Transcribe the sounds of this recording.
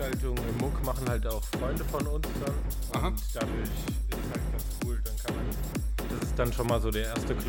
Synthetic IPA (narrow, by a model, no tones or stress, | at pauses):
altʊŋɪmmʊkmaχn̩haltaʊxfʁ̥ɔʏndəfɔnʊnsd̥an | ʔʊtd̥aːdʊɐçɪz̥aːkd̥askʰuːld̥ankʰanman | d̥asɪst̚d̥anʃonmaːlzoːdeːɐʔeːɐstəkl